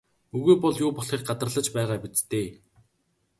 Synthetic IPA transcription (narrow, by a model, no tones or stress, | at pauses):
ɵɣuːpɔɮjʊːpɔɬχeːr̚ɢat̪ərəɮə̆t͡ɕpæːʁaːpit͡st̪eː